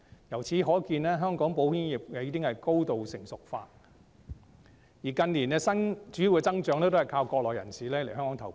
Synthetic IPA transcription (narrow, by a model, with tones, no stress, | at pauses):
jɐ˨˩wt͡sʰiː˨˥ɦɔː˨˥kiː˧nlɛː˥ɦœː˥ŋkɔː˨˥ŋpo˨˥whiː˥nji˨p̚kɛ˨˧jiː˥t̪ɪ˥ŋhɐ˨jko˥wt̪o˨wsɪ˨˩ŋsʊ˨k̚fa̰ː˧t̚ | jiː˨˩kɐ˧nliː˨˩nɛː˧sɐ˥nt͡ʃyː˨˥ji˨˧wkɛː˧t͡sɐ˥ŋt͡ʃœː˨˥ŋnɛ˥t̪ːhjkʰaː˧wkɔː˧k̚lɔː˨jɐ̰˨˩nsiː˨lɛː˥le˨˩hɦœ˥ŋkɔː˨˧˥ŋt̪ʰɐ˨˩w